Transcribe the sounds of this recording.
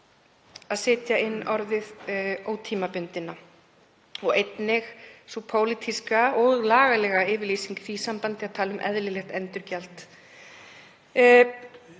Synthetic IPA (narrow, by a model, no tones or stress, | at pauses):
aðsɪːt̪jaɪnːɔɾðɪðoːwt̪ʰiːmapʏnt̪ɪnːa | ɔɣejt̪nɪxsupʰoːwlit̪ʰiskaɔɣlaːɣalɛːɣaɪːvɪɾliːsiŋkθisampant̪ɪaðt̪ʰaːlʏmʔɛ̰ðlɪlɛxt̪ɛnt̪ʏɾcalt̪